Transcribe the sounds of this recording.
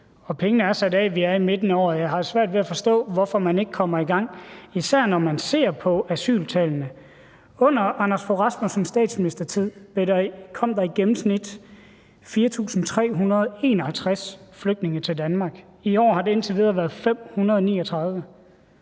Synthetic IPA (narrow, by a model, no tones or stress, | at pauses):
ɒ̽pʰeŋənəæɐsædɛʋiæɐime̝d̥nəɒ̰ːjɑɦɑ̈dsʋæɐ̰d̥ʋe̝æfɒ̽sd̥ɔ̰̽ːʋɒfɒmæne̝ɡ̥əkʰɒ̽m̰ɐiɡ̥ɑ̈ŋ̰isæɐ̰nɒmænse̝̰ːɐ̰pʰɒ̽æsy̰ːlt͡sʰɛlnə | ɔ̽n̰ɐɑnæsfoʁɑsmosɒmsd̥ɛ̰ːd̥sminisd̥ɐt͡sʰið̰ˠb̥ekʰɒ̽m̰d̥ɑ̈iɡ̥emm̩snid̥ | fiːɐt͡sʰṵːsn̩t͡sʰʁɛ̰ːɦunɐð̞ˠe̝ːnɒhælt͡sʰʁasfløɡ̥̚d̥ne̝ŋət͡sʰeld̥ænmɑ̈ːɡ̥ | iɒ̰ːɦɑ̈de̝e̝nt͡sʰeʋið̞ˠɐʋæɐð̩ˠfem̰hunɐðˠɒnḭːɒt͡sʰʁɑ̈ð̞ˠʋə